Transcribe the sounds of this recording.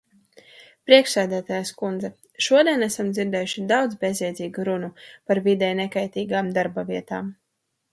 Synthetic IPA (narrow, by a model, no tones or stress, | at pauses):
pɾiɛkʃsæːd̪æːt̪aːjskund̪zɛ | ʃuɔd̪ɛnæsamd̪ziɾd̪ɛːjuʃid̪awd̪zbezʲiɛd̪ziːɡuɾunupaɾvid̪ɛjnɛkajt̪iːɡaːmd̪aɾbaviɛt̪aːm